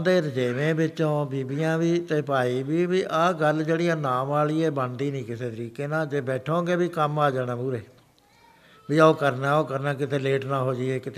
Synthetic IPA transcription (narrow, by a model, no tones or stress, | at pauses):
d̪eːɾəd͡ʒeːʋẽːbɪt͡ʃːõːbiːbijãːʋiːt̪eːpaːiːbiːbiːʔaːɡəld͡ʒeːɽijãːnaːmaːliːeːbənd̪iːnĩːkɪseːt̪əɾiːkeːnãːd͡ʒeːbɛːʈʰõːɡeːbiːkəmaːd͡ʒaːnãːpuːɾeː | biːaoːkəɾnaːoːkəɾnãːkɪt̪ʰeːleːʈnaːɦoːd͡ʒiːeːkɪt̪ʰː